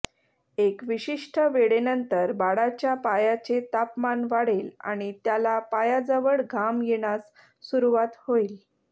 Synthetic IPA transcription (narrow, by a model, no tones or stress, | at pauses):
ekʋiɕiʂʈʰəʋeɽenənt̪əɾbaɽat͡ɕjapajat͡ɕet̪apmanʋaɽ̤ela̰ɽ̃it̪jalapajad͡zəʋəɭɡʱamjeɽ̃as | suɾuʋat̪hoil